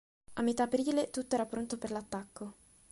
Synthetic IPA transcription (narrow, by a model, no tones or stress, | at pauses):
amːet̪ːaːpɾiːlet̪ut̪ːoɛːɾapɾont̪operlat̪ːakːo